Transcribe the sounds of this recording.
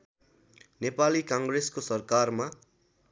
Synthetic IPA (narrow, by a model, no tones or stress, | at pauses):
nepalikãŋɡreskosʌrkarma